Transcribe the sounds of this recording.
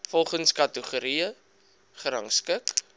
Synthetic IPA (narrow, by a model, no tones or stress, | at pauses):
fɔlˠχənskɐtəχuɾiə | χəɾɐ̰ŋskək